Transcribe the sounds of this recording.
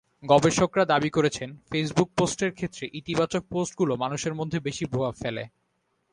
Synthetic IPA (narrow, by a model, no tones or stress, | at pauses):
ɡɔbeʃokɾad̪abikoɾet͡ɕʰenfes̬buk̚posʈeɾkʰet̪ːɾeʔit̪ibat͡ɕok̚posʈ̚ɡulomanuʃeɾmod̪ʱːebeʃibɾobafelḛ